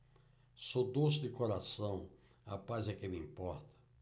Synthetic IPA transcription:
sod̪osʊd̪ɪkoɾasɐ̃w̃ | a̰pazɛkɪmiĩmpɔɾt̪ɐ̥

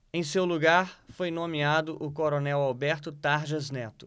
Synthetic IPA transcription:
ẽj̃sewluɡaɾfojnõmiad̪ʊʔʊkoɾonɛwawbɛɾt̪ʊt̪aɾʒɐznɛt̪ʊ̥

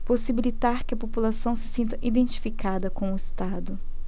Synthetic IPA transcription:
posibilit̪aɾkɪɐpopulasɐ̃w̃sɪ̥sĩnt̪ɐʔid̪ẽnt͡ʃi̥fikad̪ɐkõw̃ʊist̪ad̪ʊ

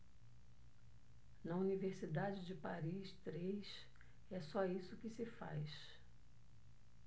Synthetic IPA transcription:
nɐuniveɾsid̪ad͡ʒɪd͡ʒɪpaɾist̪ɾejʃ | ɛsɔisʊkɪsɪfa̰js

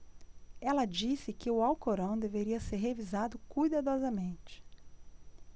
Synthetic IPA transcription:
ɛlɐd͡ʒisɪkɪʊawkoɾɐ̃w̃d̪eveɾiɐseɾɦevizad̪ʊkujd̪ad̪ɔzɐmẽnt͡ʃɪ̥

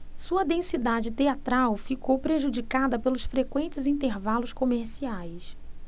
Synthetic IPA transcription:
suɐd̪ẽsid̪ad͡ʒɪt̪eat̪ɾawfikowpɾeʒud͡ʒikad̪ɐpelʊsfɾekwẽnt͡ʃɪzĩnt̪eɾvalʊskomeɾsiajs

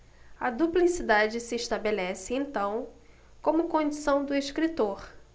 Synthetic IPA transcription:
ɐd̪uplisid̪ad͡ʒɪsɪeʃt̪abelɛsɪẽnt̪ɐ̃w̃ | kõmʊkõd͡ʒisɐ̃w̃d̪ʊeʃkɾit̪oɾ

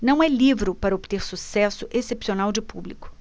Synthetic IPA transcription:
nɐ̃w̃ɛlivɾʊpaɾɐobit̪eɾsusɛsʊʔesepsionawd͡ʒɪpublikʊ̥

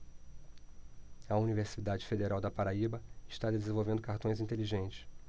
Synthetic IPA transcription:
ɐuniveɾsid̪ad͡ʒɪfed̪eɾawd̪ɐpaɾaibɐɪʃt̪ad̪ezẽvowvẽnd̪ʊkaɾt̪õj̃zĩnt̪eliʒẽnt͡ʃɪ̥s

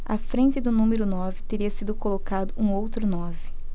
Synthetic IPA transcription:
a̰fɾẽnt̪ɪd̪ʊnũmeɾʊnɔvɪt̪eɾiɐsid̪ʊkolokad̪ʊʔũowt̪ɾʊnɔvɪ

